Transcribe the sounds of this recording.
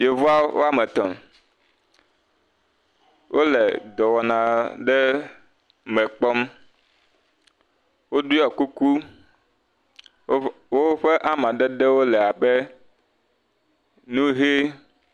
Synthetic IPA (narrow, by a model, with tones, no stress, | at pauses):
je˨vu˦a˦wo̰˦a˦mɛ˨t̪ɔ˨m | wʔo˦le˨d̪ɔ˨wɔ˨nã˨ɖɛ˦ | mɛ̃˨k͡pɔ˦m | wo˦du˦a˨ku˦ku˦ | wo˦ɸe˦ʔa˦mã˨ɖɛ˦ɖe˦wo˦lɛ˨a˨bɛ˦ | nũ˦ɦe˦